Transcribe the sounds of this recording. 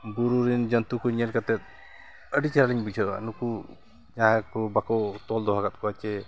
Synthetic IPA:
buɾuɾind͡ʒənt̪ukɔɲɛlkat̪ɛt̪̚ | əɖit͡ʃaɾaliɲbud͡ʒʰʱɔa̰nuku | d͡ʒaɦakɔbakɔt̪ɔld̪ɔɦaɡat̪̚kɔat͡ʃɛ

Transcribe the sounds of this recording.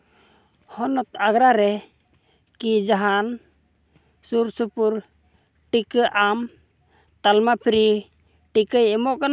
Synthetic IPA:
hɔnɔt̪aɡɾaɾɛ | kid͡ʒaɦan | suɾsupuɾ | ʈikəʔam | t̪almapʰɾi | ʈikəjɛmɔʔkan

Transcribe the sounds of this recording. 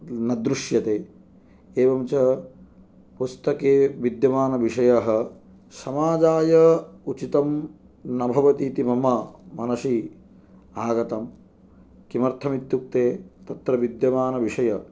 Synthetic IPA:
nɐd̪ɾuʂjɐt̪eː | eːʋɐmt͡ʃɐ | pust̪ɐkeːʋid̪jɐʋaːnɐʋiʂɐjɐɦɐ̆ | sɐmaːd͡ʒaːjɐut͡ʃit̪ɐm | nɐbʱɐʋɐt̪iːt̪imɐmɐmɐnɐʃi | aːɡɐt̪ɐm | kimɐɾt̪ʰɐmit̪juk̚t̪eːt̪ɐt̪ɾɐʋid̪jɐʋaːnɐʋiʂɐjɐ

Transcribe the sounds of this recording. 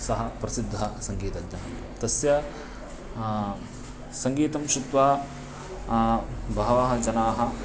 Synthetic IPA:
sɐɦɐpɾɐsid̪ʱːɐsɐŋɡiːt̪ɐɡɲɐnɐm | t̪ɐsjɐ | sɐŋɡiːt̪ɐmʃut̪ʋaː | bʱɐɦɐʋɐɦɐ̆d͡ʒɐnaːɦɐ

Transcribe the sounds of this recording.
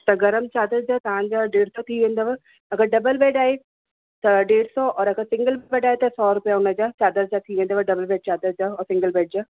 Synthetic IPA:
t̪aɡəɾəmt͡ʃaːd̪əɾd͡ʒaːt̪ãːɲd͡ʒaːɖeːɽsɔːt̪ʰiːʋẽːnd̪aːʋa | əɡəɾɖəbəlbɛːɖaːeː | t̪aɖeːɽsɔːʔɔːɾəɡəɾsɪ̃ŋɡəlbbɛːɖaːet̪asɔːɾʊpjaːʊnad͡ʒaːt͡ʃaːd̪əɾd͡ʒaːt̪ʰiːʋẽːnd̪aːʋaɖəbəlbɛːɖ̚t͡ʃaːd̪əɾd͡ʒaːɔːɾsɪ̃ŋɡəlbɛːɖ̚d͡ʒaː

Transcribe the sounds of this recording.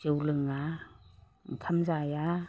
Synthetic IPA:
t͡ʃewlɯŋa | ŋ̩kʰamzaja

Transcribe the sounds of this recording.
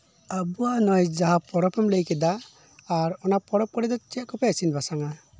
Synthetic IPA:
abuanɔjd͡ʒaɦapɔɽɔpɛmlejkɛd̪aː | ɾɔnapɔɽɔp̚kɔɽɛd̪ɔt͡ʃɛaʔkɔpɛsinbasaŋa

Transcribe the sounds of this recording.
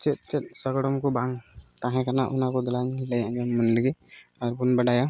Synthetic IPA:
t͡ʃɛt̪̚t͡ʃɛt̪̚səɡɽɔmkɔbaŋt̪aɦɛ̃kanaʔʊnakɔd̪ɔlaɲlɛjãʔd͡ʒamːunləɡiaɾbunbəɖaja

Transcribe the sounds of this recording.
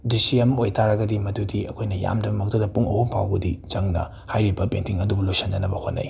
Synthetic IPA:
disiɐmɐojtʰaɾɐɡɐdimɐdudiɐ̰kʰojnɐja̰mdɐbɐmɐk̚tɐdɐpuŋɐ̰huŋpawɡɐdit͡ʃɐŋnɐ̰ | hajɾibɐpentiŋɐdubɐlojsɐnːɐnɐbɐhonːa̰j

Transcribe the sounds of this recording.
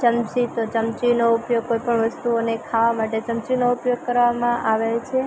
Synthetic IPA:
t͡ʃəmt͡ʃit̪ot͡ʃəmt͡ʃinoupjoɡ̚kojpəɳʋəst̪uonekʰaʋamaʈet͡ʃəmt͡ʃinoupjoɡ̚kəɾʋamãʔaʋelt͡ʃʰe

